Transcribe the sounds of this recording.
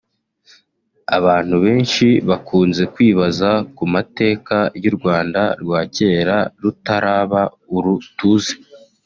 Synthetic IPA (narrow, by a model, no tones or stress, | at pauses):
a̰βaːn̥huβe̞ːnʃiβakʰuːnze̞kwiːβazakumate̞ːkajuɾɡwaːnda̰ɾɡwaːce̞ːɾaɾutaɾaːβa | uɾutuze